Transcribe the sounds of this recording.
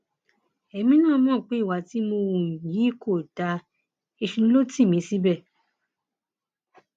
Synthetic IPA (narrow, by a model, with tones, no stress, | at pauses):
ɛ˨˦mĩ˦nãː˦˨˧mɔ̃˦˨k͡pe˨˦i˦˨wa˨ti˨˦mo˧wũ˨ji˨˦ko˦˨ta˨˧ | e˧ʃũ˧ũ˦lo˦ti˦˨mĩ˨˦si˦bɛ˦˨